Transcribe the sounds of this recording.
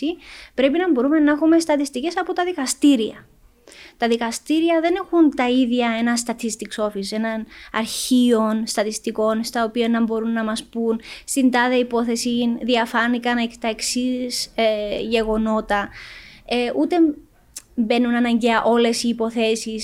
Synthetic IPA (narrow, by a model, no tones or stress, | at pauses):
ipɾe̞pinɐmbo̞ɾume̞nɐxume̞st̪ɐt̪ist̪ice̞sɐpot̪ɐðikɐst̪iɾiɐ̰ | t̪ɐðikɐst̪iɾiɐðe̞ne̞xunt̪ɐiðʝɐe̞nɐst̪ɐt̪ʰist̪ikso̞fise̞nɐnɐɾçio̞nst̪ɐt̪ist̪iko̞nst̪ɐopionːɐmbo̞ɾunːɐmɐspunst̪ind̪ɐðeɐipo̞θe̞sinðiɐfɐnikɐnekt̪ɐeksisʝe̞ɣo̞no̞t̪ɐ | eʔut̪e̞ | mbe̞nːunɐnɐɲɟeɐʔo̞le̞siːpo̞θe̞sis